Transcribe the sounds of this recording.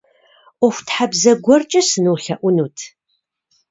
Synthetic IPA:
ʔʷɔxʷtħabzɐɡʷɔrt͡ʃʼɐsɨnuwɬɐʔʷʊnuːtʰ

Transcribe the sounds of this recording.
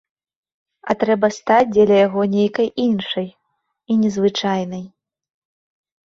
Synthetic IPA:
ɐt̪ɾɛbɐst̪at͡sʲd͡zʲɛlʲɐjaɣɔnʲejkɐjʔinʂɐj | inʲɛzvɨt͡ʂajnɐj

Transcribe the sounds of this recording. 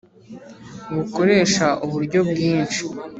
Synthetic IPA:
βuko̞ɾe̞ːʃaʔuβuɾɟo̞bɡiːnt͡ʃi

